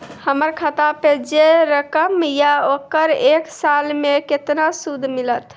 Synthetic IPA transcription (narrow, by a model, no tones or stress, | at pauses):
həməɾkʰət̪aped͡ʒeɾəkəmjaokəɾeksalmeket̪nasud̪ʱmilət̪